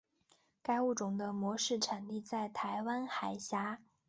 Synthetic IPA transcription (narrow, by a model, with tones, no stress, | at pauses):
ka˥ɪu˥˩ʈ͡ʂʊ˨˩ŋd̪ə˦mwɔ˧˥ʂɻ̩˥˩ʈ͡ʂʰa˨˩nli˥˧t͡sa˥˩ɪt̪ʰa˧˥ɪwa˥nxa˨˩ɪɕja˧˥